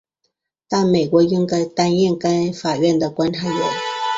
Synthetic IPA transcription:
t̪a˥˩me˨˩ɪkwɔ˧˥i˥ŋka˧˥ɪt̪a˥njɛ˥˩nka˥ɪfa˨˩ɥɛ˥˩nd̪ə˩kwa˥nʈ͡ʂʰa˥˩ɪlɛ̰˧˥˦n

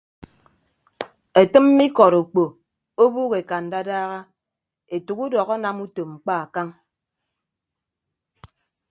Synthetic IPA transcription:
e˨tɨ˦mː˦i˦kɔ˨ɾu˨k͡po˨ | o˦buː˦ɣe˨ka˨n̩˨da˦daː˦ɣa˦ | e˨tu˨ku˦dɔ˨ɣɔ˦na˦mu˦to˨ŋ͡m̩˨k͡pa˦a˨ka˦ŋ

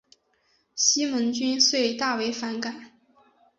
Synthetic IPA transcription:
ɕi˥mə˧˥nt͡ɕy˥nswe˥˧ɪt̪a˥˩we˧˥ɪfa˧˥nka˨˩˦

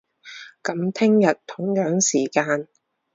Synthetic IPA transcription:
kɐ˨˥mt̪ʰɪ˥ŋjɐ˨t̚t̪ʰʊ˨˥ŋjœː˨˥ŋsiː˨˩kaː˧n

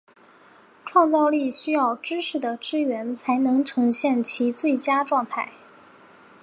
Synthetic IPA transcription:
ʈ͡ʂʰwɑ˥˧ŋt͡sɑ˥˧ʊli˥˩ɕy˥jɑ˥˩ʊʈ͡ʂɻ̩˥ʂɻ̩˧˩d̪ə˩ʈ͡ʂɻ̩˥ɥɛ˧˥nt͡sʰa˧˥ɪnɤ˧˥ŋʈ͡ʂʰɤ˧˥ŋɕjɛ˥˩nt͡ɕʰi˧˥t͡swe˥˩ɪt͡ɕja˥ʈ͡ʂwɑ˥˧ŋt̪ʰa˥˩ɪ

